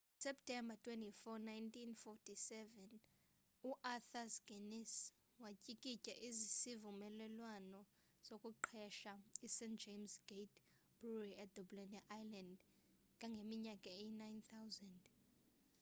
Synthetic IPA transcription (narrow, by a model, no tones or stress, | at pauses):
sɛp̚tʰʼɛmbatʰʼwentʼifɔnajntʰʼinfɔtʰisɛvɛn | uʔaθasɡ̥ʱenis | wacʼikʼicʼɛʔizisivumɛlɛlwanɔ | z̥okʼuǃʰɛʃaisɛntd͡ʒemsɡ̥ejtʰʼ | b̥uriɛdʱɔblɛnaʔajland | kʼaŋɡʱemiɲakʼaejinajnt̪ʰawzɛnd